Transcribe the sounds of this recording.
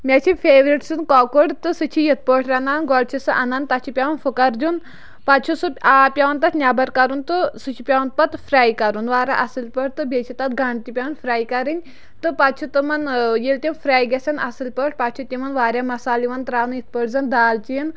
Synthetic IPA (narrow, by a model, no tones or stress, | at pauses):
mʲat͡ʃʰifʰeːʋɾiʈsɨnkɔːkuɽt̪ɨsɨt͡ʃʰijit̪̚ʰpəʈʰɾɐnaːnɡɔɽt͡ʃʰisɨʔɐnɐnt̪ɐt͡ʃʰipʲaʋɐnfʰukɐɾd͡ʒun | pat͡ʃʰusɨaːpʲaʋɐnt̪ɐt̪nʲabɐɾkɐɾunt̪ɨsɨt͡ʃʰipʲaːʋɐnpɐt̪fʰɾaːjkɐɾunʋaːɾaʔɐsɨlpəʈ̚ʰt̪ɨbet͡ʃʰit̪ɐt̪̚ɡɐɳɖt̪ipʲaʋɐnfɾaːjkɐɾɨnʲ | t̪ɨpat̪̚t͡ʃʰut̪ɨmɐnjelt̪ʲefʰɾaːjɡʲɐsʲɐnʔɐsɨlpəʈʰpat̪̚t͡ʃʰut̪ʲimɐnʋaːɾʲamɐsaːliʋɐnt̪ɾaːnujit̪̚ʰpəʈzɐnd̪aːlt͡ʃiin